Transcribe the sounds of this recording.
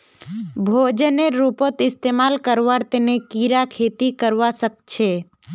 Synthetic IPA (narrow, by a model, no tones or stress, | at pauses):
bʱod͡ʒəneɾupot̪ɪst̪eːmaːlkəɾʋaɾt̪nekiɾakʰet̪ikəɾʋasək̚t͡ʃʰe